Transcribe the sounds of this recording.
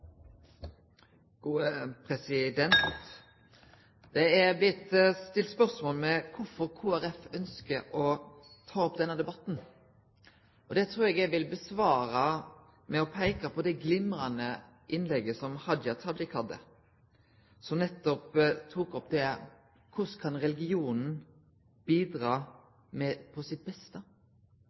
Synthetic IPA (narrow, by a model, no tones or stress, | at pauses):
ɡ̥uːəpʰɾɛsɪd̪ɛnt̪ | d̪̥ɛæʁblɪt̪ːst̪ɪlt̪spœɾsmoːlmɛkʰʊfɔɾkʰuːæɾɛfœnskəʔɔ | t̪ʰɑːɔp̚d̪ɛnːəd̪ɛbɑt̪ːn̩ | ʔɔd̪ɛt̪ʰɾuːɾɛɡɛɡʋɪlbəsʋɑːɾɑ | mɛɔpʰæɪkɑpʰɔd̪ɛɡlɪmɾɑnə | ʔɪnlɛɡəsɔmhɑd̪jɑt̪ʰɑd̪ɪkhɑd̪ə̰ | sɔmnɛt̪ːɔpt̪ʰuːkɔpd̪ɛ | kʰʊskʰɑnɾɛlɪɡɪuːnn̩ | b̥iːd̪ɾɑː | mɛpʰɔsɪt̪̚bɛst̪ə